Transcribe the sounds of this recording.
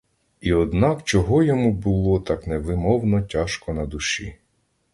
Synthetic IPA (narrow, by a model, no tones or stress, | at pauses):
iɔd̪nɑkt͡ʃɔɦɔjɔmubʊlˠɔt̪ɑknɛʋɪmɔwnɔtʲaʃkɔnɐd̪ʊʃḭ